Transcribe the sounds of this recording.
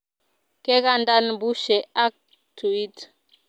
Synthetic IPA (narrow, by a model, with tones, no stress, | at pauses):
ke˦ka˦nda˦nbu˦ʃɛ˨a˦k̚ | tu˨i˦t